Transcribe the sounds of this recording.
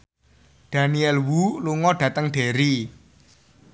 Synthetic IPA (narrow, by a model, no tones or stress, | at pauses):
d̥a̤niɛlwuluŋɔɖ̥ä̤t̪əŋɖ̥e̤ɾi